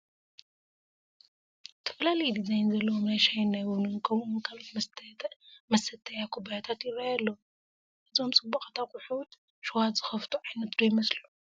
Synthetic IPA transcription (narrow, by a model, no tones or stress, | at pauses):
t̪ʰɐ̥fɐlalɐjd̪izajnzɐlːɐwomnajʃajnːajwunɨnkʰɐmʔunkʰalot̪ | mɐsɐt̪ʰɐjakʰubajat̪ʰat̪jɪrːajalːo | ʔɨzo̞mt͡sʼɨbːaxʼɐt̪ʰakʼuħut̪ | ʃuwat̪zɨxɐft̪ʰuʕajnɐt̪d̪ojmɐslu